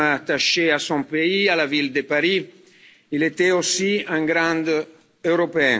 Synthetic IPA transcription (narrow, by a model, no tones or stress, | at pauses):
aːt̪aʃeasɔ̃peialavild̪əpaɾi | ilet̪ɛosiɛ̃ŋɡɾɑ̃d̪ | øɾɔpeɛ̃